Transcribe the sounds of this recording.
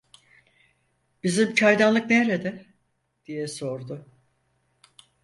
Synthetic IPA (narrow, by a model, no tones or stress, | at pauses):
b̥izimcʰaɾd̪anlˠɯk̚neɾed̪ɛ | d̪̥ijɛso̞ɾd̪ʊ